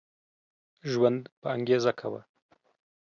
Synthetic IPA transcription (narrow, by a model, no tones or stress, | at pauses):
ʒwand̪pəaŋɡezakʰawa̰